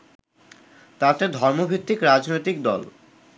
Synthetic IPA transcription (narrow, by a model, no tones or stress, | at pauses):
t̪at̪ed̪ʱɔɾmobʱit̪ːikɾad͡ʑnojt̪ik̚d̪ɔ̰l